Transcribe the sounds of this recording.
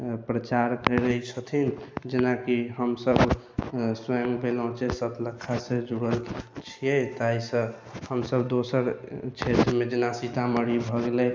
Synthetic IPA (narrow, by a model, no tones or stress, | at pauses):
pɾət͡ʃaɾkəɾɾəit͡ʃʰət̪ʰind͡ʒenakiɦəmsəb | swãŋɡbelɔ̃t͡ʃʰɛsət̪ʰləkʰːasẽd͡ʒuɽəlt͡ʃʰijɛt̪ajsə̃ | həmsəbd̪osəɾt͡ʃʰet̪ɾmed͡ʒenasit̪ʰaməɾibʱɔɡelɛ